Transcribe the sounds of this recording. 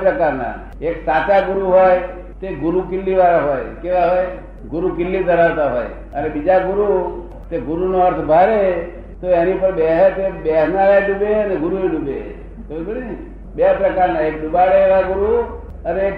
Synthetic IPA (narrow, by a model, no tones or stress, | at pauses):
pɾəkaɾna̰ | eksat̪aɡʊɾuɦoj | t̪eɡʊɾukɪlːiʋaɾaɦojkeʋaɦoj | ɡʊɾukɪlːid̪ʱəɾaʋt̪aɦoːj | ənebid͡ʒaɡʊɾu | t̪eɡʊɾunoəɾt̪ʰbʱaɾe | t̪oenipəɾbeɦt̪ebeɦnalaɖubeəneɡʊɾueɖubḛ | t̪obiɽi | bepɾəkaɾnaek̚ɖʊbaɽeeʋaɡʊɾu | ənee